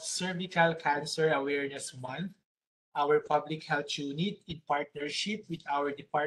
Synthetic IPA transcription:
sɛɹvikalkʰãnsɛɹɐwɛɹnɛswãn | ʔawɛɹpablɪkhɛlt̪junɪt̪̚ɪ̃npaɹt̪̚nɛɹʃɪp̚wɪd̪awɛɹd̪ɪpa

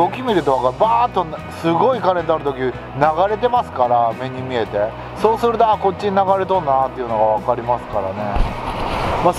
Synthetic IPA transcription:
okʲimʲiɾɯ̟t̪okaɡabaːt̪ːo̞nsɨɡo̞ikaɾẽ̞t̪oaɾɯ̟t̪o̞kʲi | naɡaɾe̞t̪e̞masɨ̥kaɾame̞ɲ̟imʲie̞t̪e̞ | so̞ːsɨɾɯ̟t̪oako̞t͡ɕ̚t͡ɕːiɲinaɡaɾe̞t̪̬õ̞nːaat̪ːeiɯ̟noɡaβ̞akaɾʲimasɨ̥kaɾa̰ne̞̰ | ma

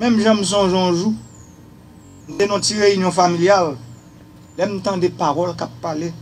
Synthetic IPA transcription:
mɛ̃mʒãm̩s̬ɔ̃ʒɔ̃ʒu | m̩t̪enɔ̃tiɣeynjɔ̃familjal | lɛm̩̃t̪ãd̪epaɣɔlkapːale

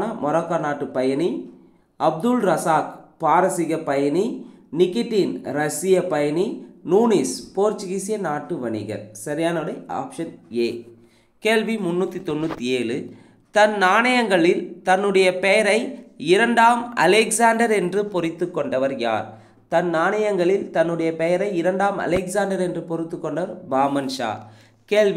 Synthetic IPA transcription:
nɐmɔɾɐkːanaːʈːɯpɐjɐni | ɐb̚d̪ɯlɾɐsaːkpaːɾɐsɪɣɐpɐjɐninɪkːɪʈːiːnɾɐsɪjɐpɐjɐninuːnispoːɾt͡ʃɪɣisɪjɐnaːʈːɯʋɐɳɪ̰ɣɐ̰ɾsɐɾɪjaːnɐʋɽɐɪa̰ːkʂɐt̪̚eː | keːlʋimʊnːuːt̪ːit̪ɔnːut̪ːieːlɯ | t̪ɐnnaːɳɐjɐŋɡɐɭɪlt̪ɐnːɯɽɐjɐpɛjɐɾɐɪɪɾɐɳɖaːmɐ̰lɛkzaːnɖɐɾɛndrɯpɔɾɪt̪ːɯkːɔɳɖɐʋɐɾja̰ːɾ | t̪ɐnnaːɳɐjɐŋɡɐɭɪlt̪ɐnːɯɽɐjɐpɛjɐɾɐɪɪɾɐɳɖaːmɐ̰lɛkzaːɳɖɐɾɛndrɯpɔɾɪt̪ːɯkːɔɳɖɐʋɐɾbaːmɐnʂa̰ː | keːlʋ

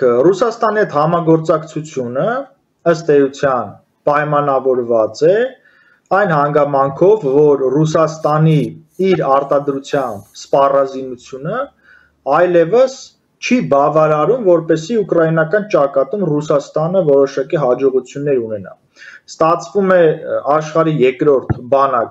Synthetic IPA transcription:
rusɑst̪ɑnihɛt̪hɑmɑɡɔɾt͡sɑkt͡sʰut͡sʰjunə | əst̪ɛjut͡sʰjɑn | pɑjmɑnɑvɔɾvɑt͡sɛ | ɑjnhɑŋɡɑmɑŋkʰɔvːɔɾrusɑst̪ɑniiɾɑɾt̪ɑd̪ɾut͡sʰjɑmbspɑrɑzinut͡sʰjunə | ɑjlɛvəs | t͡ʃʰibɑvɑɾɑɾumvɔɾpɛsiukrɑinɑkɑnt͡ʃɑkɑt̪umrusɑst̪ɑnəvɔɾɔʃɑkiɦɑd͡ʒɔʁut͡sʰjunːɛɾunɛnɑ̰ | st̪ɑt͡sʰvumɛɑʃχɑɾijɛkɾɔɾt̪ʰbɑnɑk

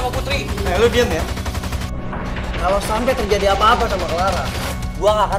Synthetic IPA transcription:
maput̪ɾinalubianja | kalosampɛt̪ərd͡ʒadiapaːpasamakəlaɾa | ɡuaŋaka

